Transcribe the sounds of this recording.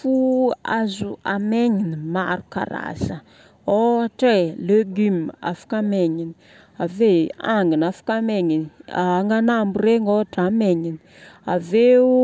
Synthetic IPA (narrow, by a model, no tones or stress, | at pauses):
fuazuameɲinima̰ɾuka̰ɾa̰sə | oaʈ͡ʂeleɡyma̰fḁkameɲini | aveaŋɡinafḁkameŋiniŋɡanambureŋoaʈ͡ʂameɲini̥ | a̰ve